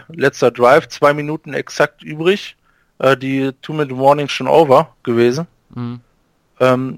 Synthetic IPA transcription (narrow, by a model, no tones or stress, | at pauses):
lɛt͡stɐdʁaɪft͡sv̥aɪminuːtn̩ɛ̰ksak̚tʔyːbʁɪç | ʔɛːdiːtʰuːmɪdmɔɐnɪŋʃoːnʔo̰ʊvɐɡ̥əveːzn̩ | ʔɛːm